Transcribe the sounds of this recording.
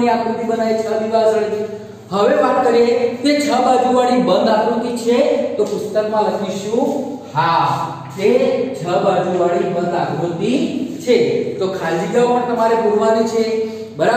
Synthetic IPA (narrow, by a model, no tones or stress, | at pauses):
niaɡɾut̪ibənajt͡ʃʰəʋ̪iʋazəɽi | ɦəʋeʋakəɾet̪et͡ʃʰəbad͡ʒuʋaɭibə̃nd̪aɡũt̪it͡ʃʰet̪opust̪əkmãləkʰiʃũɦa | t̪et͡ʃʰəbad͡ʒuʋaɭibə̃nd̪akɾut̪it͡ʃʰet̪okʰad͡ʒid͡ʒəʋapəɳt̪əmaɾepuɽʋanit͡ʃʰe | bəɾa